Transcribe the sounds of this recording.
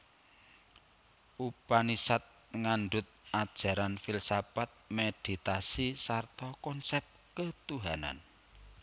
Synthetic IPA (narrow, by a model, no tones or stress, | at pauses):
ʔupanisat̪̚ | ŋanɖʊt̪̚ad̥ʒ̥ä̤ɾanfilsabat̪̚med̪̥i̤t̪asisart̪ɔkɔnsɛp̚ | kət̪uɦana̰n